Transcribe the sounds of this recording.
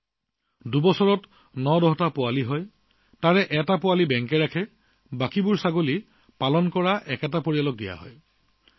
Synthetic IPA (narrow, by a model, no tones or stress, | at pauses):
dubɔsɔɹɔt | nɔdɔɦɔtapʊwaliɦɔj | taɹɛʔɛtapʊalibɛŋkɛɹakʰɛ | bakibuɹsaɡoli | palɔnkɔɹaʔɛkɛtapoɹialɔk̚dija̰ɦɔ̰j